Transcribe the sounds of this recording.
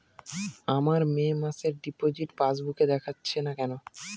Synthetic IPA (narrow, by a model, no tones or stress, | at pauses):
amaɾmemaseɾɖipod͡ʑiʈpasbuked̪ɛkʰatːɕʰenakɛno